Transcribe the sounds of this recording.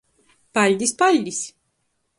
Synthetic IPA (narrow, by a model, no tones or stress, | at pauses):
b̥alʲd̪isbalʲd̪is